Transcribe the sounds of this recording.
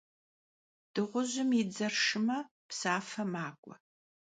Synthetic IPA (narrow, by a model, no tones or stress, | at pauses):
d̥ɨʁʷʊʑɪmid͡zɐrʂɨmɐ | psaːfɐmaːkʷʼɔ